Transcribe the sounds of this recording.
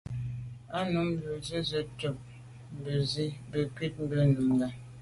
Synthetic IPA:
a˦nu˨˦m̩˦bə˨zi˦zə˦tə˨p̚ | m̩˨bə˨zi˦bə˨kɥi˦t̚m̩˦bə˦nu˨mɡɛ˨

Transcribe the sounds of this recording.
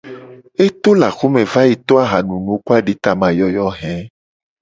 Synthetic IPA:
e˦t̪o˦la˨xu˦mẽ˨va˦ji˨t̪o˦a˦ɦa˨nũ˨nũ˨˦ku˦a˦ɖi˨˦t̪a˨mã˨jɔ˨jɔ˦ɦɛ̃˨˦

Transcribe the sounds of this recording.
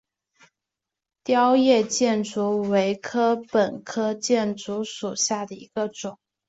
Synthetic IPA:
t̪jɑ˥ʊjɛ˥˧t͡ɕjɛ˥˩nt͡su˧˥we˧˥ɪkʰɤ˥pə˨˩nkʰɤ˥t͡ɕjɛ˥˩nt͡su˧˥ʂu˨˩ɕja˥˩d̪ə˩ḭ˧˥ɡ̥ə˧ʈ͡ʂʊ˨˩˦ŋ

